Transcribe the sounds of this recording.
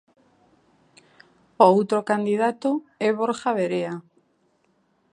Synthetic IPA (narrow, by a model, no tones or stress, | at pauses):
oowt̪ɾokand̪iðat̪oɛβoɾxaβeɾea